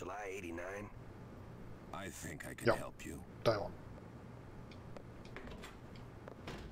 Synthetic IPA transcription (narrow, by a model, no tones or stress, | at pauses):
əlaɪeɪɾinãɪ̃n | ʔaɪθɪ̃ŋkʰaɪkʰɨ̃jɛhɛ̰lˠpʰjṵ | d̥aɪɑ̰̃n